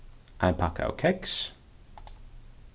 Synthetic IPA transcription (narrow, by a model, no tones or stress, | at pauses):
ʔãpʰakʰa̰ʊkʰɛks